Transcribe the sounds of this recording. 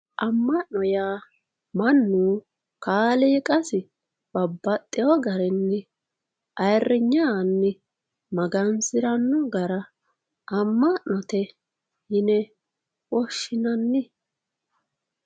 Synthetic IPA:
ʔɐmːɐʔnɔjaː | mɐnːuː | kaːleːkʼɐsɪ | b̥ɐbːɐt̪ʼːɪjɔɡɐɾɛnːɪ | ʔɐjrːɪɲːanːɪ | mɐɡɐnsɪɾɐnːɔɡɐɾɐ | ʔɐmːɐʔːɔt̪ɛ | hɪnɛ | ʔɔʃːɪnɐnːɪ

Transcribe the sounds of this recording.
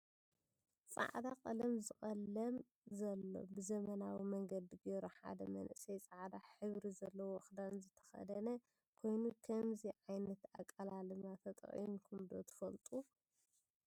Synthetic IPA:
t͡sʼa̰ʕd̪akʼɐlɐmzɨχʼɐlːɐm | zɐlːo̞̰bɨzɐmɐnawimɐŋɡɐd̪iɡeɾuħa̰d̪ɐmɐ̰nʔɨsɐjt͡sʼaʕd̪aħɨβɾizɐlːɐwoxd̪anzɨt̪ʰɐ̥xɐ̰d̪ɐnɐ | kʰo̞jnukʰɐmziʕajnɐt̪a̰kʼːɐlalɨmat̪ʰɐt̪ʼɐ̰χʼḭmkʰumd̪ot̪ʰɨ̥fɐlt̪ʼu

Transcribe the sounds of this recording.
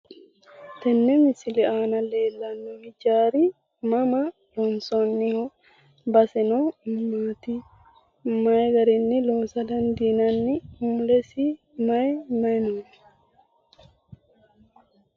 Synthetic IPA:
t̪ɛnːɛnɪsɪlɛaːnɐle̞ːlːɐnːɔhɪd͡ʒaːɾi | mɐmɐ | lɔnsɔnːɪhɔ | bɐsɛnommaːt̪i | mɐjɡɐɾɪnːɪloːsɐd̪ɐnd̪iːnɐnːɪhʊmlɛsi | mɐjmɐjnoːn

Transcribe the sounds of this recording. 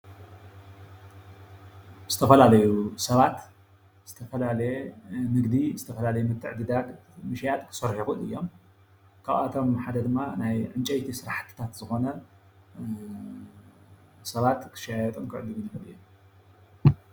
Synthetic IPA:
zɨt̪ʰɐfɐlalɐjusɐβat̪ | z̥ɨt̪ʰɐfɐlalɐjemɨɡd̪izɨt̪ʰɐfɐlalɐjumɨt̪ʰːɨʕd̪ɨd̪aɡmɨʃjat̪ʼkʰɨ̥sɐɾħixṵɨ̰jːo̞m | kʰaβa̰t̪ʰo̞mħad̪ɐd̪ɨmːanajʕɨnt͡ʃʼɐjt̪ʰisɨɾaħt̪ʰi̥t̪ʰat̪zɨxo̞nɐ | sɐβat̪kʰɨ̥ʃajajɐt̪ʼumkʰɨʕɨd̪ɨɡɨnuɨ̰jːom

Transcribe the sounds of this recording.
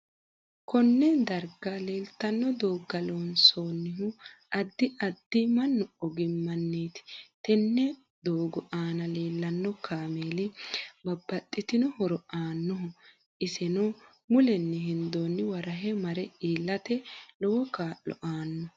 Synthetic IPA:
kɔnːɛd̪ɐɾɡɐleːlt̪ɐnːɔd̪oːɡːɐloːnsoːnːɪɦʊʔɐd̪ːɪʔɐd̪ːɪmɐnːɔɔɡɪmːɐnːeːt̪ɪ̥t̪ɛnːɛ | d̪oːɡɔʔaːnɐle̞ːlːɐnːɔkʰaːmeːlɪbɐbːɐt̪ʼːɪt̪ɪnɔhɔɾɔʔaːnːɔɦʊ | ʔɪsɛnɔ | mʊlɛnːɪɦɪnd̪oːnːɪwɐɾɐɦɛmɐɾɛʔiːlːɐt̪ɛlɔwɔkaːʔːɔ̰ʔaːnːɔ

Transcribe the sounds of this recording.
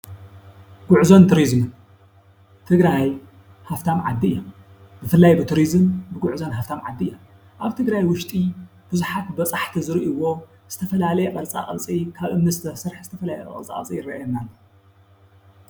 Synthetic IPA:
ɡ̥ʊʕzont̪ʰɾizm | t̪ʰɨɡɾaj | haft̪ʰamʕa̰d̪ːiɨ̰jːom | bɨfɨlːajbɨt̪ʰɨɾizɨmbɨɡʊʕzonɦaft̪ʰamʕa̰d̪ːiɨjːom | ʔaβt̪ʰɨɡɾajwʊʃt̪ʼi | b̥ɨzuħat̪bɐt͡sʼaħt̪ʰizɨɾiʔiwo | z̥ɨ̥t̪ʰɐfɐlalɐjɛqʼɐɾt͡sʼa̰χʼɐ̰t͡sʼikʰaβʔɨmnɨsɨt̪ʰɐsɨɾħzɨt̪ʰɐfɐlalj̰ʔʼɐ̰lt͡sʼa̰χʼɐ̰t͡sʼḭjɪɾɐʔjonːalːo

